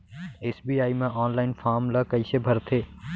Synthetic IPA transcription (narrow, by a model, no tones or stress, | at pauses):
eːsbiːaːimẽʔɔːnlaːɪnfʰaːɾmlakɐisebʱɐɾt̪ʰeː